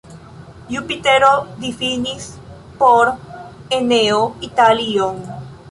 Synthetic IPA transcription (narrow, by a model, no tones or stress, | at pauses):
jupit̪eɾod̪ifinis | poɾeneoit̪alioŋ